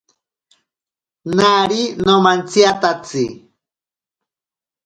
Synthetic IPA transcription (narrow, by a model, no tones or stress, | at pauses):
naɾinomant͡siat̪at͡si